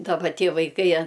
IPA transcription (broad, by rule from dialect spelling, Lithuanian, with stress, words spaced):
dɐˈbɐ ˈtʲiɛ ʋɐɪˈkɐɪ ɐ